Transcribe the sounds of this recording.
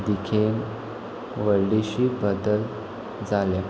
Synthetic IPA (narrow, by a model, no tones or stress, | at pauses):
d̪ikʰen | ʋəɾliɕiːbəd̪əl | d͡zalja